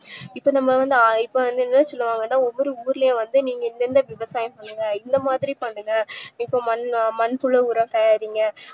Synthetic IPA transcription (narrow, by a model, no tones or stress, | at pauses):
ɪpːoːnɐmːɐʋɐnd̪ɯɪpːoʋɐnd̪ɯɛnːɐnɯsɔlːɯʋaːŋɡɐnːaːɔʋʋɔɾɯuːɾɪlɐjẽʋɐnd̪ɯniːŋɡɐɪnd̪ɛnd̪ɐʋɪʋɐsaːjɐ̃mpɐɳːɯŋɡɐɪnd̪ɐmaːðɪɾipɐɳːɯŋɡɐikːõmɐnmɐnfʊɭɐuːɾɐ̃mt̪ɐjaːɾiːŋɡɐ